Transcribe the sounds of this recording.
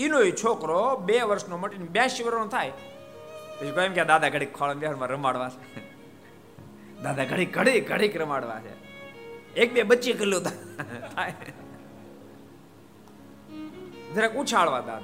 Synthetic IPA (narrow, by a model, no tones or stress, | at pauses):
inoːit͡ʃʰoːkɾoːɓeːʋəɾʃnoməʈinɓjãːʃiʋəɾnot̪ʰaːj | t̪ot͡ʃikoːjemkʲjad̪aːd̪aɡəɽikʰːaːlənb̪jaənmãɾəmaːɽʋaːe | d̪aːd̪aɡəɽiːk̚ɡəɽiːkɡəɽiːkɾəmaːɽʋa̰ːt͡ʃʰḛ | eːk̚beːɓəːt͡ʃikəlõːd̪at̪ʰaj | d̪əɾekut͡ʃʰaːɭʋaːd̪a̰ːd̪a